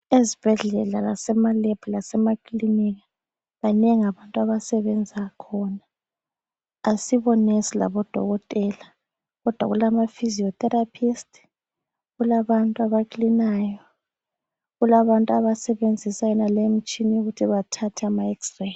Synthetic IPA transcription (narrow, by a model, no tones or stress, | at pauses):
ezib̥ʱɛɮɛlalasɛmaleb̥ʱulasɛmakʼlinikḁ | βanɛŋaβantʼuaβasɛβɛnd͡zʱakʰɔna | siβɔnesila̰βɔd̥ʱɔ̰ɣɔtʼɛla | ɣɔd̥ʱwa̰ɣulamafiziɔt̪ʼɛɾapʰistʰʼ | ɣulaβantʼuaβakʼlinaːjɔ | ɣulaβantʼuaβasɛβend͡zʱisajɛnalem̩t͡ʃʼiniuɣutʰiβatʰatʰɛamaɛksre